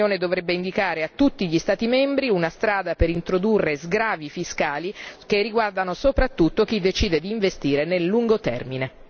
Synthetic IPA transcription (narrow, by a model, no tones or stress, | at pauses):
oːned̪ovɾɛbːeind̪ikaːɾeat̪ːut̪ːiʎist̪aːt̪imɛmbɾiunast̪ɾaːd̪apeɾint̪ɾod̪urːezɡɾaːvifiskaːlikerːiɡward̪anosopɾat̪ːut̪ːok̟id̪ːet͡ʃiːd̪ed̪iːɱvest̪iːɾenelːuŋɡot̪ɛ̰rmine